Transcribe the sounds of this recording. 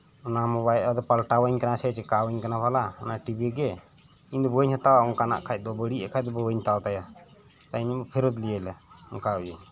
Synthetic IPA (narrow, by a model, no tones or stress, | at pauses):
ɔnamɔβajlad̪ɔpalʈawəɲkanasɛt͡ʃɛkawəɲkanapʰalaɔnaʈibiɡɛ | iɲd̪ɔbəɲhat̪awaɔŋkana̰ʔkʰac̚ˀd̪ɔbəɽiʔakʰad̪ɔbɔwəɲt̪awt̪aja | t̪aiɲbɔpʰɛɾɔd̪lijɛlɛɔnkauje